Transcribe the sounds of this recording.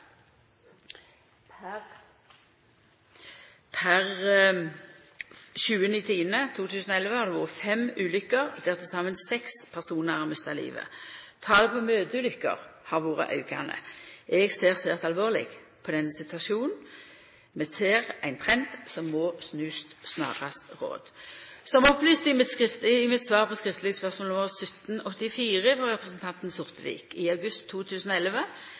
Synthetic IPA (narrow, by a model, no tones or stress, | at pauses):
pʰæʁ | ʃʉːənit̪ʰiːənət̪ʰuːt̪ʰʉːsn̩ɔɛlʋəhɑɾd̪ɛʋoːʁəfɛmʉːlʏkːəʁd̪ɛʁt̪ːəsɑmənsɛkspʰæʁsuːnəʁɑmœst̪ɑlḭːʋə̰t̪ʰɑːd̪ɛpʰɔmøːt̪əʉːlʏkːə̰ʁhɑʁʋoːʁə̰ʔɑ̰ʉkɑ̰nə̰ʔɛɡseːʁseːʁt̪ɑlʋoːʁlɪ̰ɡ | pʰɔd̪ɛnːəsɪt̪ʉɑʃuːnn̩ | mɛseːʁæɪnt̪ʰʁɛnt̪sɔmːɔːsnʉːst̪snɑ̰ːʁɑst̪ʁo̰ːd̪̥sɔmɔplyːst̪ɪmɪt̪ɪɪmɪt̪sʋɑːʁpɔskʁɪft̪lɪɡəspœʁsmolɔməʁsœt̪nɔt̪ːɪfiːʁəfɔʁɛpʁəsənt̪ʰɑnt̪n̩sʊʁt̪əʋḭːkɪɑʉɡʉst̪ʰːuːt̪ʰʉːsn̩ɔɛlʋə